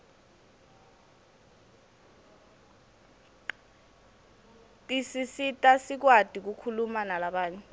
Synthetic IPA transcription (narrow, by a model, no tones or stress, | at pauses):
tʼisisitʼasik̬wad̥ʱik̬ukʰulumanalaɓaːɲɛ